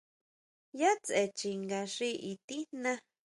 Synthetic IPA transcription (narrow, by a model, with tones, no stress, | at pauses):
ja˦t͡se˨t͡ʃi˧ŋɡa˧ʂi˦ʔi˨t̪i̥˦nã˦